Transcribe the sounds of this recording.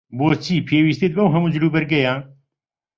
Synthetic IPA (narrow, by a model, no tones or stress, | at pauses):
boːst͡ʃʰiːpʰeːwiːst̪eːt̪̚bɐwɦɐmuːd͡ʒɨɾuːbɛɾɡɛjãː